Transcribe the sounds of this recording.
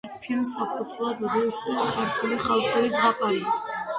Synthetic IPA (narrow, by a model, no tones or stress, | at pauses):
pʰilmsapʰɔt̪ʰlˠad̪d̪iwsʼɔkʰaɾt̪ʰuliχalˠχɛisɡaqʼali